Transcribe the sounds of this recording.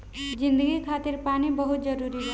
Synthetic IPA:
d͡ʒind̪əɡikʰaːt̪iɾpanibəɦut̪̚d͡ʒəɾuɾiɦa

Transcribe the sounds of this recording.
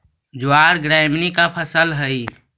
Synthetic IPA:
d͡ʒʊaːɾɡɾaːɪmnikapʰəsəlɦəi

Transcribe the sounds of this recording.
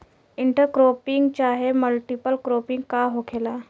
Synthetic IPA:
iɳʈəɾkɾopiŋɡt͡ɕaɦeməlʈipəlkɾopiŋɡkaɦokʰela

